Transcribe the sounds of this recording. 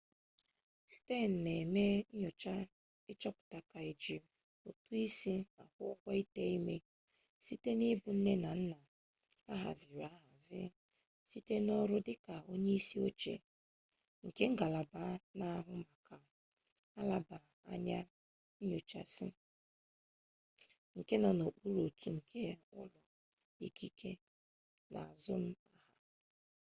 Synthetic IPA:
si̥˨te˦˨n̩˨ne˨me˦ɲ̩˦ɲo˨t͡ʃa˦ | ɪ˦t͡ʃɔ˦pʊ̥˨ta˨ka˨e˨d͡ʒi˨ | o˨tu˦i˦si˦a˨kʊ̰˦ɔ˦kʷa˦i˦te˦i˦me˦ | si˦te˦ni˦bʊ˨n̩˦ne˦na˨n̩˦na˨ | a˦ɦa̰˨zɪ˨ɾa˦ɦa˨zɪ̰˦ | si˦te˦nɔ˦ɾʊ˦dɪ˦ka˨o˦ɲe˦i˦si˦o˦t͡ʃḛ˨ | ŋ̩˨ke˦ŋ̩˦ɡa˨la˨ba˦na˦a˦ɦʊ˦ma˨kʰa˨ | a˦la˦ba˨ | a̰˦ɲa˦ | ɲo˨t͡ʃa̰˨sɪ˦ | ŋ̩˨ke˦na˨no˨k͡pu˦ɾo˨tu˨˦ŋ̩˨kʰe˦ʊ̰˦lʊ˨ | i˨kʰi˦kʰe˦ | nʔa̰˨a˨zʊ˦m̩˦a˦ha˨

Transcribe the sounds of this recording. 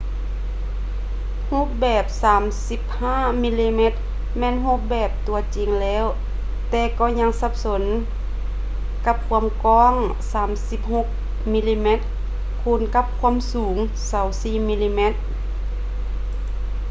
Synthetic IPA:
ho˧˥p̚bɛː˨˩p̚saː˨˦msi˧˦p̚haː˧˥˨mi˧˥liː˧me˧˥t̪̚ | mɛː˧˥˨nho˧˥p̚bɛː˨˩p̚t̪u˨˧ɐt͡ɕi˨ŋlɛː˧˥˨w | t̪ɛː˧kɔː˧˩ɲa˧˥ŋsa˧˦p̚so˨˦n | ka˧˥p̚kʰu˧˥əmkɔː˧˥˨ŋ | saː˨˦msi˧˦p̚ho˧˥k̚ | mi˧˥liː˧me˧˥t̪̚ | kʰuː˧˩˨nka˧˥p̚kʰu˧˥ə˨msuː˨˩˦ŋ | sa˨˩˦wsiː˧˨mi˧liː˧me˧˥t̪̚

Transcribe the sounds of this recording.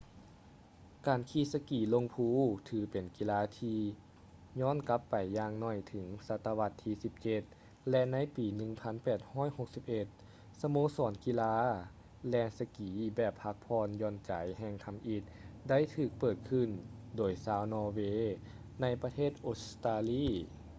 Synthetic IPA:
kaː˨˩nkʰiː˧˩sa˧kiː˨˩lo˧ŋpʰuː˧˥˨t̪ʰɯː˧˩pe˨˩nki˧laː˧˥t̪ʰiː˧ | ɲɔː˧˥˨nka˧˦˥pːa˨˩jːaː˧ŋnɔ˧˩jt̪ʰɯ˩˦ŋsa˧˥t̪ːa˧wa˧˥t̪ʰːiː˧si˧˦p̚t͡ɕe˧t̪̚ | lɛ˧na˧˥jpiː˨˩nɯ˧˩ŋpʰa˧˥˨npɛː˨˩t̪̚hɔː˧˥˨jho˨˧k̚si˧˦p̚ʔe˧t̪̚ | sa˧moː˧˥sɔː˨˦nki˧laː˧˥ | lɛː˧˩nsa˧kiː˨˦bɛː˨˩pʰːa˧˥k̚pʰɔː˧njɔː˧˩nt͡ɕa˨˦jhɛː˧ŋkʰa˧mʔi˧˩t̪̚da˥˨jt̪ʰɯː˧˩k̚pɤː˨˩t̪̚kʰɯ˧˩˨ndoː˨˩jsaː˧˦wnɔː˧weː˧˥ | na˧˥jpa˧t̪ʰeː˥˩t̪̚ʔoː˧˥t̪aː˧liː˧˥˨

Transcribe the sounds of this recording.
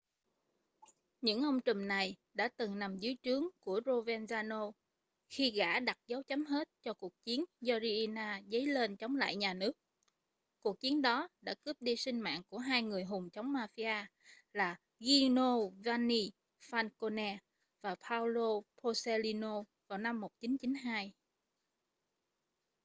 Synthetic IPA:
ɲɨ̰˧˥ŋʔə˧wŋ͡mt͡ɕʊ˨˩mna˨˩jɗa̰ː˧˥t̪ɨ˨˩ŋna˨˩mzɨ˨˦t͡ɕɨ˨˦əŋku˧˩əzo˧vɛ˧nzaː˧no˧ | xi˧ɣa̰ː˧˩ɗa˨˩t̚za˨˦wt͡ɕə˨˦mɦe˦˥t̚t͡ɕɔ˧ku˨˩ək̚t͡ɕi˨˦ənzɔ˧zi˧ʔi˧naː˧zə˨˦jle˧nt͡ɕɔ˨˦wŋ͡mla̰ː˧˨jɲaː˨˩nɨ˦˥ək̚ | ku˨˩ək̚t͡ɕi˨˦ənɗɔ˨˦ɗa̰ː˧˥kɨ˦˥p̚ɗi˧sï˧ŋ̟ma̰ː˧˨nku˧˩əɦaː˧jŋɨ˨˩əjɦʊ˨˩ŋ͡mt͡ɕə˨˦wŋ͡mmaː˧fi˧ʔaː˧ | laː˨˩ | ɣi˧no˧vaː˧ni˧ | faː˧nko˧nɛ˧ | vaː˨˩pʰaː˧wlo˧pʰo˧se˧li˧no˧ | vaː˨˩wna˧mːo˨˩t̚t͡ɕi˨˦nt͡ɕi˨˦nɦaː˧j

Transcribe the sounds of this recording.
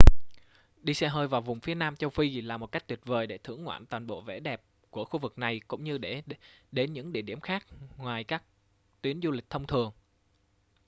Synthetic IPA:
ɗi˧sɛ˧ɦəː˧jvaː˨˩wvʊ˨˩ŋ͡mfi˨˦ənaː˧mt͡ɕə˧wfi˧laː˨˩mo˨˩t̚ka˦˥k̚t̪wi˨˩t̚vəː˨˩jɗe˧˩t̪ʰɨ̰˧˩əŋːwa̰ː˧˨nt̪waː˨˩nɓo̰˧˨vḛ˧˩ɗɛ˨˩p̚ | ku˧˩əxu˧vɨ˨˩k̚na˨˩jkʊ̰˧˥ŋ͡mɲɨ˧ɗe˧˩ɗe˨˦nɲɨ̰˧˥ŋɗḭ˧˨əɗi˧˩əmxaː˦˥k̚ŋwaː˨˩jkaː˦˥k̚ | t̪wi˨˦ənzu˧li˨˩k̟̚t̪ʰə˧wŋ͡mt̪ʰɨ˨˩əŋ

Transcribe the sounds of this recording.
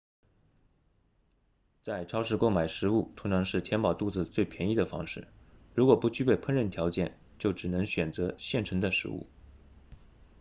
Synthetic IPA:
t͡sa˥˩ɪʈ͡ʂʰɑ˥ʊʂɻ̩˥˧ko˥ʊma˨˩ɪʂɻ̩˧˥u˥˩t̪ʰʊ˧˥ŋʈ͡ʂʰɑ˧˥ŋʂɻ̩˥˩t̪ʰjɛ˥npɑ˨˩ʊt̪u˥˩d͡zɹ̩˩t͡swe˥˩ɪpʰjɛ˧˥ni˥˩d̪ə˩fɑ̰˥ŋʂɻ̩˥˩ɻu˧˥kwɔ˨˩pu˧˥t͡ɕy˥pe˥˧ɪpʰə˥˧nɻə˥˩nt̪ʰjɑ˧˥ʊt͡ɕjɛ˥˩n | t͡ɕjo˥˩ʊʈ͡ʂɻ̩˨˩nɤ˧˥ŋɕɥɛ˨˩nt͡sɤ˧˥ɕjɛ˥˩nʈ͡ʂʰɤ˧˥ŋd̪ə˧ʂɻ̩˧˥ṵ˥˩

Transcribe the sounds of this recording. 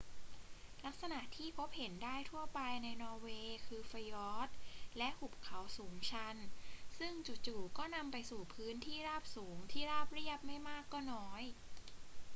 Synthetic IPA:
la˦˥k̚sa˧na˨˩ʔt̪ʰiː˥˩pʰo˦˥p̚he˩˦ndaː˥˩jt̪ʰu˥˩ɐpa˧jna˧jnɔː˧weː˧kʰɯː˧fa˧jɔː˦˥t̪̚lɛ˦˥ʔhu˨˩p̚kʰa˩˦wsuː˩˦ŋt͡ɕʰa˧nsɯ˥˩ŋt͡ɕu˨˩t̪̚t͡ɕuː˨˩kɔː˥˩na˧mpa˧jsuː˨˩pʰɯː˦˥nt̪ʰiː˥˩ɾaː˥˩p̚suː˩˦ŋt̪ʰiː˥˩ɾaː˥˩p̚ɾi˥˩əp̚ma˥˩jmaː˥˩kːɔː˥˩nɔː˦˥j

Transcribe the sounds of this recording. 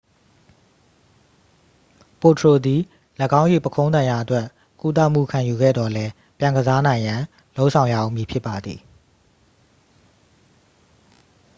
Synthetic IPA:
po˨tʰɹo˨d̪i˨ | ləɡã˦ʊ̃jḛ˦˨pəkʰõ˦ʊnã˨ja˨ʔətwɛ˦ʔ | ku˦t̪̬a̰˦˨m̥ṵ˦˨kʰã˨ju˨ɡɛ̰˦˨d̪ɔ˨lɛ˦ | pjã˨ŋɡəza˦nã˨ɪ̃jã˨ | lo˦ʊʔsʰã˨ʊ̃ja̰˦˨ʔõ̰˦˨mji˨pʰjɪ˦pːa˨d̪ði˨

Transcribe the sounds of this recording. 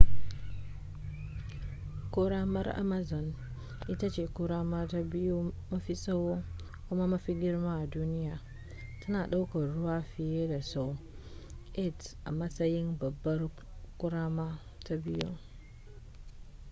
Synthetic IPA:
ko˦ɾa˦ma˦ɾʔa̰˦ma˦zɔ˨n | ʔi˦ta˦t͡ʃe˨ku˦ɾa˦ma˦ta˦bi˦ju˦ma˦fi˦sa˦wo˦ | ku˦ma˦ma˦fi˦ɡʲɪ˦ɾma˦a˨duː˦ni˦ja˨ | ta˦naː˨ɗa˦wka˨ɾʊ˦waː˦fi˨je˦da˨sa˦w | ʔe˦˨tʔa̰˨ma˦sa˦ji˦nbɐ˨bːɐ˦ɾ | ku˦ɾaː˦ma˦ | ta˦bi˦ju˦

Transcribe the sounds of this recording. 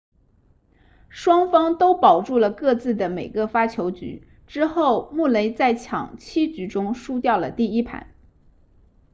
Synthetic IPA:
ʂwɑ˥ŋfɑ˥ŋt̪o˥ʊpɑ˨˩ʊʈ͡ʂu˥˩lə˩kɤ˥˧t͡sɹ̩˥˩d̪ə˩me˨˩ɪɡə˧fa˥t͡ɕʰjo˧˥ʊt͡ɕy̰˧˥ | ʈ͡ʂɻ̩˥xo˥˩˧ʊmu˥˩le˧˥ɪt͡sa˥˩ɪt͡ɕʰjɑ̰˨˩ŋt͡ɕʰi˥t͡ɕy˧˥ʈ͡ʂʊ˥ŋʂu˥t̪jɑ˥˩ʊlə˩t̪i˥˩i˥pʰa̰˧˥˦n

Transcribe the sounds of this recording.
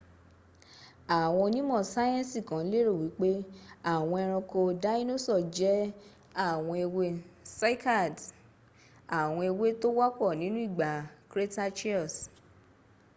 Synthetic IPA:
a˨w̃ɔ̃˧nĩ˦mɔ̃˦˨sa˦jɛ̃˦si˨kã˨˦le˦ɾo˦˨wi˨˦k͡pe˦a˦˨w̃ɔ̃˧ɛ˧ɾ̃ɔ̃˧ko˧da˦i˦no˦sɔ˦˨d͡ʒɛ˨˦ | a˦˨w̃ɔ̃˧e˧we˧sa˦i˦ka˦˨d | a˦˨w̃ɔ̃˧e˧we˦to˦wa˦kɔ˦˨nĩ˨˦nũ˦i˦˨ɡ͡ba˨kɾe˦ta˦t͡ʃi˦ɔ˦˨s

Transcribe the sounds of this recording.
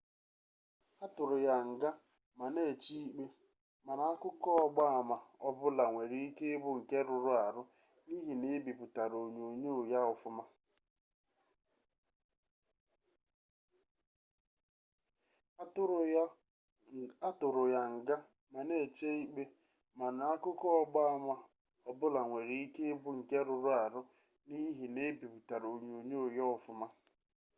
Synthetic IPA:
a˦tʊ˨ɾʊ˨ja˨ŋ̩˨ɡa˦ | ma˨ne˦˨t͡ʃi˦i˦k͡pe˦ | ma˨na˨a˦kʷʊ˦kɔ˦ɔ˦ɡ͡ba˦a˨ma˨ɔ˦bʊ˦la˨ŋʷe˨ɾi˦i˦ke˦bʊ˦ŋ̩˨ke˦ɾʊ˨ɾʊ˦a˨ɾʊ˦ | ni˦ɦi˨ne˦bi˨pʊ˨ta˨ɾo˨ɲo˨ɲo˦o˨ja˦ɔ˨fʊ˦ma˦˨˦ | a˦tʊ˨ɾʊ˨ja˨ŋ̩˨ɡa˦ | ma˨ne˦˨t͡ʃe˦i˦k͡pe˦ | ma˨na˨a˦kʊ˦kɔ˦ɔ˦ɡ͡ba˦a˦mʷa˦ | ɔ˨bʊ˦la˨ŋʷe˨ɾe˨i˦ke˦bʊ˦ŋ̩˨ke˦ɾʊ˨ɾʊ˦a˨ɾʊ˦ | ni˦ɦi˨ne˦bi˨pʊ˨ta˨ɾo˨ɲo˨ɲo˦o˨ja˦ʊ˨fʊ˦ma˦

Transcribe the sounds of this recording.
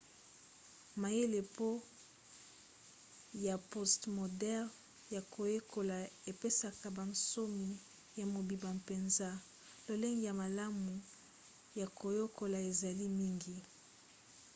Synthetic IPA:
ma˨je˦le˨po˦ | ja˨po˦stmo˨dɛ˦ʁ | ja˨kʰo˨je˦ko˨la˨e˨pe˦sa˨ka˨ba˨nso˦mi˨ | ja˨mo˨bi˨ba˨pe˨nza˦ | lo˨le˦ŋɡi˨ja˨ma˨la˦mu˨ | ja˨ko˨jo˦ko˨la˨e˨za˨li˦mi˦ŋɡi˨

